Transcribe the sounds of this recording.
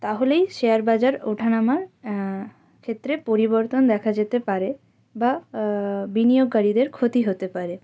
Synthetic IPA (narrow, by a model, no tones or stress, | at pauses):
t̪aɦolejʃeaɾbad͡ʑaɾo̰ʈʰanamaɾ | kʰet̪ːɾepoɾiboɾt̪ond̪ɛkʰad͡ʑet̪epaɾe | ba | binijoɡːaɾid̪eɾkʰot̪iɦot̪epaɾe